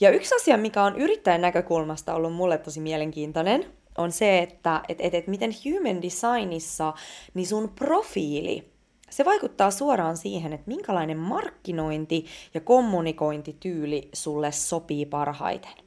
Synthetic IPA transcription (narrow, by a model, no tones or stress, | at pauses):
jɑyksɑsiɑmikæonʔyɾit̪ːæjenækøkulmɑst̪ɑolːummulːet̪ːosimiɛleŋkiːnt̪onen | onseet̪ːæʔet̪et̪et̪mit̪enhjuːmændisɑinisːɑnisunprofiːlḭ | seʋɑikut̪ːɑːsuoɾɑːnsiːɦenet̪miŋkælɑinemmɑrkːino̞int̪ijɑko̞mːuniko̞int̪it̪yːlisulːesːopiːpɑrhɑ̰it̪e̥n